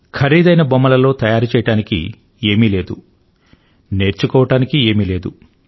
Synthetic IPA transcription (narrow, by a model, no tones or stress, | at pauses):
kʰɐɾiːd̪ɐjnɐbomːɐlɐlo̞ːt̪ɐjaːɾut͡ʃɛːjɐɽaːnikḭ | e̞ːmile̞ːd̪u | ne̞ːɾt͡ʃukɔːʋɐʈaːnikie̞ːmile̞ːd̪u